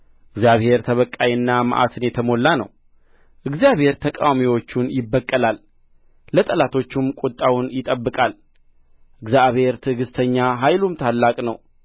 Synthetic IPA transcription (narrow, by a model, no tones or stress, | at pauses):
ʔʔɨɡzjaβhe̞ɾt̪ʰəβəkʼːajinːamə̰ʔa̰t̪ʰɨnjɛt̪ʰəmo̞lːanə̰w | ʔɨɡzjaβhe̞ɾt̪ʰəkʼa̰wamiwo̞t͡ʃːunjɪbːəkʼːəlalː | ət̪ʼəlat̪ʰo̞t͡ʃːumkʼut̪ʼːawunjɪt̪ʼəbːɨkʼal | ʔɨɡzjaβhe̞ɾt̪ʰɨɡɨst̪ʰəɲːaɦajlumt̪ʰalːakʼnəw